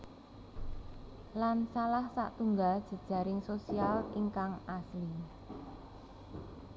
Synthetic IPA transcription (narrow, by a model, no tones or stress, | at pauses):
lansalahsa̰ʔt̪uŋɡald̥ʒ̥ə̤d̥ʒ̥a̤ɾɪŋsosialiŋkaŋasli